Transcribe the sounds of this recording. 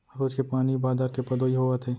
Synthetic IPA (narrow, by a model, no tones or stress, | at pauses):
ɾoːd͡ʒkepaːnibaːzaːɾkepɐd̪oːiɦoːət̪ʰeː